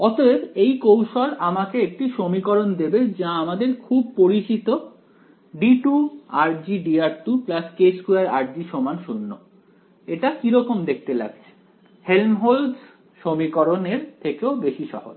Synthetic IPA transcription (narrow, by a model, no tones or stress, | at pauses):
ɔt̪oebejkowʃolamakeek̚ʈiʃomikoɾond̪ebed͡ʑaamad̪eɾkʰub̚poɾit͡ɕit̪o | ɖiʈuaɾd͡ʑiɖiaɾʈuplaskeskuaɾaɾd͡ʑiʃomanʃunːo | eʈakiɾɔkomd̪ek̚ʰt̪ela̰ɡt͡ɕʰe̥ | helnɦols | ʃomikɔɾoneɾt̪ʰekeobeʃiʃɔ̰ɦo̰